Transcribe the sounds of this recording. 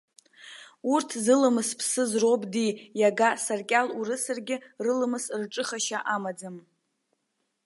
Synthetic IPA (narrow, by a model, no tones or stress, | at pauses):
urtʰzɨlɨmɨspʰsɨzrobʼdijaɡasarkʲʼalurɨsɨrɡʲɪrɨlɨmɨsrʈ͡ʂʼɨχaʃaʔamad͡zɨm